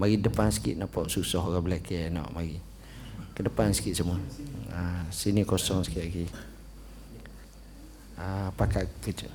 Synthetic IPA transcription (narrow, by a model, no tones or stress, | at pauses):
maɡidəpansə̥kḭʔ̪̚napɔʔsusɔɦɣabəlakɛaʔnɔ̰ʔmaɡi | kədəpansə̥kit̪səmuəəsinikosɔŋsə̥kiɡi | əpakaʔkəd͡ʒə̰